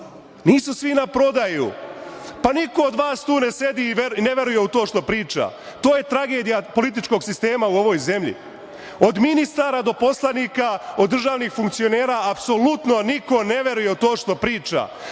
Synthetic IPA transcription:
niːsusʋinapɾo̞d̪ajṵ | paniko̞od̪ʋaːst̪uːne̞se̞d̪iːʋeneʋe̞ɾujeut̪o̞ːʃt̪o̞pɾiːt͡ʃa̰ | t̪oːje̞t̪ɾaɡe̞ːd̪ijapo̞lit̪̬it͡ʃko̞ɡsist̪e̞ːmauo̞ʋo̞ːjze̞mʎḭ | o̞d̪minist̪aːɾad̪o̞po̞slaniːkaod̪ːɾr̩ʒaːʋnixfuŋk̚t̪sio̞neːɾaːapso̞lut̪no̞niko̞ne̞ʋe̞ɾuje̞ut̪o̞ːʃt̪o̞pɾiːt͡ʃa̰

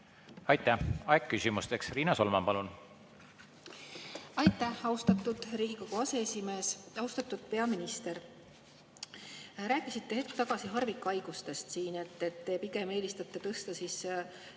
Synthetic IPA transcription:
ɑjt̪ːæhɑekkːysʲimust̪eksriːnɑso̞lmɑ̰mpɑlun | ɑjt̪ːˑæhɑwst̪ɑt̪ːˑud̪̥ɾiːɡ̥iko̞ɡ̥uɑse̞esime̞ːsɑwst̪ɑt̪ːˑud̪̥̚pe̞ɑminist̪e̞r | ɾæːkːˑisit̪ːe̞he̞t̪̚kt̪ɑɡ̥ɑsiɦɑrvikuɑjɡ̥ust̪e̞st̪siːne̞t̪ːe̞t̪ːe̞piɡ̥e̞me̞ːlist̪ɑt̪ːˑet̪ɤst̪ɑsiːs

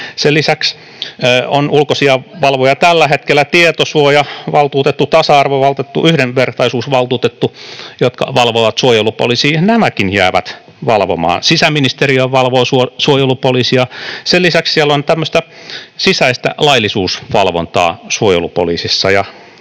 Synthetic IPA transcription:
selisæksː | onulkosiɑʋɑlʋojɑt̪ælːæhet̪kelːæt̪iet̪osuojɑʋɑlt̪uːt̪et̪ːut̪ɑsɑɑrʋoʋɑlt̪et̪ːuyhdenʋert̪ɑisuːsʋɑlt̪uːt̪et̪ːujot̪kɑ̰ʋɑlʋoʋɑt̪suojelupo̰liːsiːnæmækinjæːʋæ̰t̪ | ʋɑlʋo̰mɑ̰ːnsisæminist̪eriøʋɑlʋoːsuosuojelupoliːsiɑselisækssielːont̪æmːøst̪æsisæist̪æ̰lɑilisuːsʋɑlʋo̰nt̪ɑ̰ːsuojḛlupo̰lḭːsisːɑjɑ

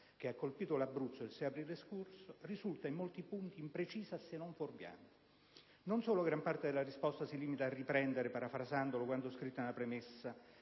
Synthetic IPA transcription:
k̟eakːolpiːt̪olabːɾut̪sːod̪elsɛjapɾiːleskorsorizult̪aimːolt̪ipunt̪iːmpɾet͡ʃiːzasenːoɱforbja̰n | nonsoːloɡɾampart̪ed̪elaɾispɔst̪asiliːmit̪aːrːipɾɛnd̪eɾepaɾafɾazand̪olokwand̪oskɾit̪ːonelapɾemesːa

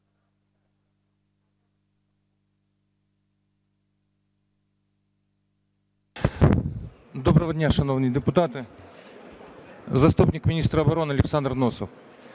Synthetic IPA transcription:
d̪ɔbɾɐʋɐdʲnʲaʃɐnɔwnɨjd̪ɪpʊt̪at̪ɪ | zɐst̪upnʲɪkmʲɪnʲist̪ɾɐɐbɐɾɔnɪɐlʲɪksand̪rnɔsɔw

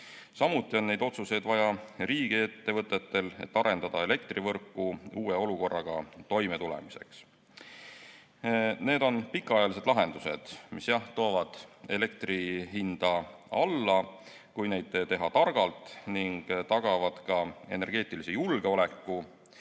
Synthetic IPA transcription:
sɑmut̪ˑːio̞nːe̞jd̪o̞t̪suse̞jd̪vɑjɑriːɡ̥ie̞t̪ːe̞vɤt̪ːˑe̞t̪ːe̞le̞̰t̪ːɑɾe̞nd̪̥ɑd̪̥ɑe̞le̞kt̪rivɤrkːˑuuːe̞o̞luko̞rːɑɡ̥ɑ̰t̪o̞jme̞t̪ulḛmise̞̰ks | ne̞ːd̪o̞npikːˑɑɑjɑlis̬e̞d̪lɑɦe̞nd̪̥used̪̥misjɑht̪o̞ːvɑd̪̥e̞le̞kt̪riɦind̪̥ɑɑlːɑ | kujne̞jd̪̥et̪e̞ɦɑt̪ɑrɡ̥ɑlt̪ˑniŋɡ̥t̪ɑɡ̥ɑvɑd̪̥kɑe̞̰ne̞rɡ̥e̞ːt̪ˑilisejulɡ̥e̞o̞le̞kːu

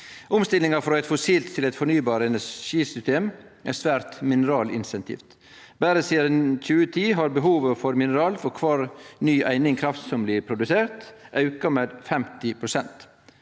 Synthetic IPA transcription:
ʔʊmst̪ɪlɪŋɑfɾɔæɪt̪fʊsiːlt̪ʰːɪlɛɪt̪fɔɳyːbɑːɾəɛnæʃiːsʏst̪eːm | ʔæɾsʋæːɾt̪mɪnəɾɑːlɪ̰nsɛnt̪ʰḭːft̪ | bæːɾəsiːɑd̪ɛnc͡çʉːət̪ʰiːɦɑːɾbəɦuːʋəfɔɾmɪnəɾɑːlfɔɾkʰʋɑːɾnyːʔæɪnɪŋkʰɾɑft̪sɔmblɪːpʰɾʊd̪ʉseːɾt̪ʔɑʉkɑmeːd̪fɛmt̪ɪpʰɾʊsɛnt̪

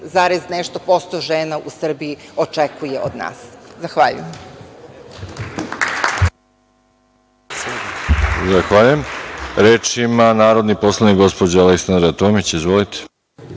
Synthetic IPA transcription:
zaɾeznɛʃt̪opost̪oʒeːnaʔusr̩biiot͡ʃekujeʔod̪na̰ːszaxʋaːʎṵjem | zaxʋaːʎujemɾeːt͡ʃimanaːɾo̞d̪nipo̞slˠanikɡo̞spod͡ʑaaleksand̪ɾaat̪oːmit͡ɕizʋolit̪e̥

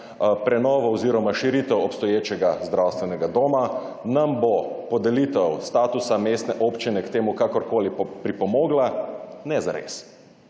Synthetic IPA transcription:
pɾɛnɔːʋɔoziːɾɔmaʃiɾiːt̪ɛwɔpst̪ɔjeːt͡ʃɛɡazd̪ɾawst̪ʋɛnɛɡad̪oːma | nambopɔd̪ɛliːt̪ɛwst̪aːt̪usameːst̪nɛʔoːpt͡ʃinɛkt̪eːmukakɔɾkoːlipɾipɔmoːɡlanɛza̰ɾḛs

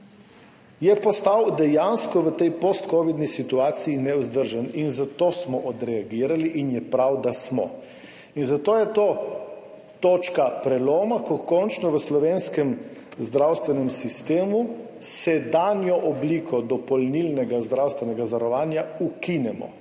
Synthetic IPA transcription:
jɛpɔst̪awd̪ɛjanskɔʋət̪ɛjpost̪koːʋid̪nisit̪uaːt̪sijinɛuzd̪əɾʒaninzat̪oːsmɔʔɔd̪ɾɛaɡiːɾaliʔinjɛpɾawd̪asmɔ̰ | inzat̪oːjɛt̪oː | t̪oːt͡ʃkapɾɛloːmakɔkɔnt͡ʃnɔʋəslɔʋenskɛmzd̪ɾawst̪ʋɛnɛmsist̪eːmu | sɛd̪aːnjɔʔɔbliːkʰɔd̪ɔpɔlnilnɛɡazd̪ɾawst̪ʋɛnɛɡazʋaɾɔʋaːnjaukinɛmɔ̰

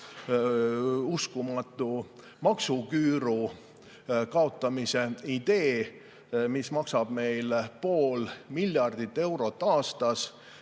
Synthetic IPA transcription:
uskumɑt̪ːˑu | mɑksukyːɾu | kɑo̞t̪ːˑɑmise̞id̪̥e̞ː | mismɑksɑb̥me̞jlpo̞ːlmilʲjɑrd̪̥it̪ːe̞wɾo̞t̪ˑːɑːst̪ɑs

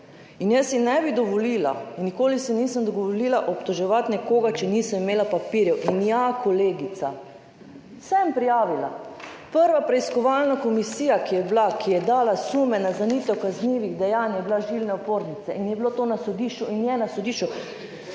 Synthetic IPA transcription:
injəsinɛbid̪ɔʋɔliːla̰nːikoːlisiniːsəmd̪ɔɡoʋoliːlaʔopt̪ɔʒɛʋat̪nɛkoːɡat͡ʃɛnisəmimeːlapapiɾjɛwʔinjakoleːɡit̪sa | sɛmpɾijaːʋila̰ | pəɾʋapɾɛiskɔʋalnakomisiːjakijɛblakʰijɛd̪aːlasumɛnazanit̪ɛwkazniʋiɣd̪ɛjaːnjɛblaʒilnɛopoːɾnit̪sɛʔinjɛbilot̪onasod̪iːʃt͡ʃuinjɛnasod̪iːʃt͡ʃu

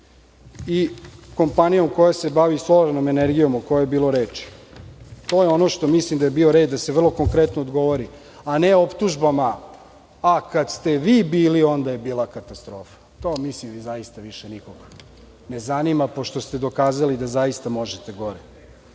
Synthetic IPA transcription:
iko̞mpanijo̞mko̞jasebaʋisloɾnome̞neɾɡijo̞moko̞jojebiːlˠo̞ɾeːt͡ʃi̥ | t̪o̞ːjeo̞no̞ʃt̪o̞mislimd̪ajebio̞ɾed̪d̪aseʋr̩lˠo̞ko̞ŋkɾe̞t̪noːd̪ɡo̞ʋoɾi | aneopt̪uʒbamaː | kad̪st̪e̞ʋiːbiːlio̞nd̪aje̞biːlakat̪ast̪ɾo̞ːfḁt̪o̞ːmislimizaist̪aʋiʃenikoɡ | ne̞zanimapoʃt̪o̞st̪e̞d̪o̞kaːzalid̪azajist̪amo̞ʒet̪eɡo̞ɾe

